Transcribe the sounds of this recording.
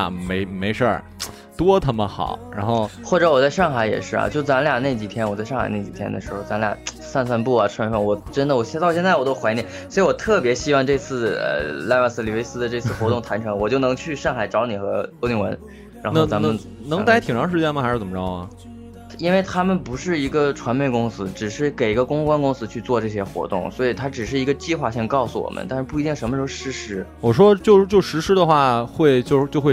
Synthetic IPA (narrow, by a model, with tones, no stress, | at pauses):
me˧˥ɪme˧˥ɪʂə̰˥˩ | t̪wɔ˥t̪ʰa˥˩mə˧xɑ̰˨˩˦ɻa˧˥nxo˥˧˩ʊxwɔ˥˩ʈ͡ʂɤ˧˥wɔ˨˩t͡sa˥˧ɪʂɑ˥˩ŋxa˧˥ɪjɛ̰˨˩ʂɻ̩˥˩ɐ̰˨˩t͡ɕjo˥˩ʊ˩t͡sa˧˥nlja˥˩ne˥˩ɪt͡ɕi˨˩t̪ʰjɛ˥nwɔ˨˩t͡sa˥˧ɪʂɑ˥˩xa̰˨˩ɪne˥˩t͡ɕi˨˩t̪ʰjɛ̰˥nd̪ə̰˨˩ʂɻ̩˧˥xo˥˩ʊt͡sa˧˥nlja̰˥˩ | sa˥˧nswa˥˧npu˥˩ɐ˨˩ʈ͡ʂʰwnfə˥˩nwɔ˨˩ʈ͡ʂə˥nd̪ə˨wɔ˨˩ɕjt̪ɑ˥˧ʊɕjnt͡sa˥˩wɔ˨˩t̪o˥ʊxwa˧˥ɪnjɛ˧˥˦nswɔ˧˥i˧˥wɔ˨˩t̪ʰɤ˥˩pjɛ˧˥ɕi˥wɑ˥˧ŋʈ͡ʂɤ˥˧t͡sʰɹ̩˥˩ə̰˧˩la˥˧ɪwa˥˩s̩˥˩ly˨˩we˥ɪsɹ̩˥d̪ə˨ʈ͡ʂɤ˥˧t͡sʰɹ̩˥˩xwɔ˧˥t̪ʊ˥˩ŋt̪ʰa˧˥nʈ͡ʂʰɤ˧˥ŋwɔ˨˩t͡ɕjo˥˩ʊnɤ˧˥ŋt͡ɕʰy˥˧ʂɑ˥˩ŋxa˨˩ɪʈ͡ʂɑ˧˥ʊni˨˩xɤ˧˥t̪o˥ʊt̪i˥˩ŋwə̰˧˥n | ɻa˧˥nxna˧t͡sa˧˥mə˧n | nɤ˧˥ŋt̪ɪ˥t̪ʰi˨˩ŋʈ͡ʂʰɑ˧˥ŋʂ̬ɻ̩˥˧t͡ɕjɛ˥˩nmɐ˩xʂɻ̩˥˩t͡sə˨˩˧ɻɑ˥˩˨ | i˥nwe˥˩ɪt̪ʰa˥mə˨npu˧˥ʂɻ̩˥˩i˧˥ɡə˧ʈ͡ʂʰwa˧˥nme˥˩ɪkʊ˥ŋsɹ̩˥ʈ͡ʂɻ̩˨˩ʂɻ̩˥˩ke˨˩ɪi˧˥ɡə˧kʊ˥ŋ˧kwa˥nkʊ˥ŋsɹ̩˥t͡ɕʰy˥˧t͡swɔ˥˧ʈ͡ʂɤ˥˩ɕ̬jɛ˥xwɔ̰˧˥t̪ʊ̰˥˩ŋswɔ˧˥i˨˩t̪ʰa˥ʈ͡ʂɻ̩˨˩ʂɻ̩˥˩i˧˥ɡə˧t͡ɕi˥˧xwa˥˧ɕi˥˧ŋkɑ˥˩ʊsu˧˩wɔ̰˨˩mʔə̰˦nt̪a˥˧nʂɻ̩˥˧p̬u˥˩i˧˥i˥˩ŋʂə˧˥nmə˧ʂxʂɻ̩˧˥ʂɻ̩˧˥wɔ˨˩ʂ̬wɔ˥t͡ɕjo˥˧ʊt͡ɕjo˥˩ʊʂɻ̩˧˥ʂɻ̩˥d̪ə˨xwa˥˧xwe˥˧ɪt͡ɕjo˥˧ʊt͡ɕjo˥˧xe˥˧˩